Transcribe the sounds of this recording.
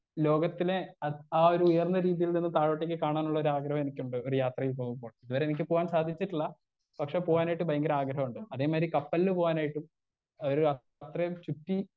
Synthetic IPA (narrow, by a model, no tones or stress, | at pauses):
lo̞ːɡɐt̪ːile̞ɐaːo̞ɾuːjɐrnːɐɾiːðijilninːɨt̪aːɻoːʈːekʲːɨkaːɳaːnuɭːɐo̞ɾuaːɡɾɐɦɐmenikʲːuɳɖɨo̞ɾujaːt̪rɐjilpo̞ːɣumpːo̞ːɭiðuʋɐɾenik̬ʲːɨpo̞ːʋaːnsaːd̪ʱit͡ɕːiʈːiɭːɐ | pɐkʂe̞poːʋaːnaːjiʈ̬ːubɐjɐŋɡɐɾɐaːɡɾɐɦɐmuɳɖɨɐðe̞ːmaːɾikɐpːɐlːɨpo̞ːɣaːnaːjiʈːum | oɾuɐ | t̪rɐt͡ɕuʈːi